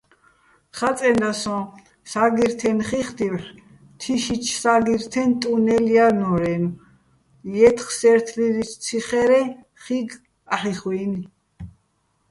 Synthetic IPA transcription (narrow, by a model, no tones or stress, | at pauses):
χat͡s̪ʼɛnd̪asɔ̃ | saɡiɾt̪ʰɛnχiχt̪iwħ | t̪ʰiʃit͡ʃʰsaɡiɾt̪ʰɛnt̪ʼunɛlianɔɾɛm | jɛt̪ʰχsɛɾt̪ʰliɾit͡ʃ̪ʰt͡s̪ʰiχɛɾɛ | χiɡ | aħiχwini